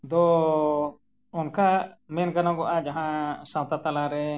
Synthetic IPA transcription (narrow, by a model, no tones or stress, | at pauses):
d̪ɔ | unkamɛnkanaɡɔʔad͡ʒaɦãsãwt̪at̪alaɾɛ